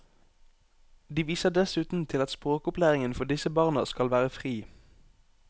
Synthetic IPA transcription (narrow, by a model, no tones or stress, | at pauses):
d̪iːʋiːsəʁd̪ɛsʉːt̪n̩t̪ʰɪlɑt̪spʁoːkʊplæːʁɪŋənfɔʁd̪ɪsəbɑːʁnəskɑlʋæːʁəfʁiː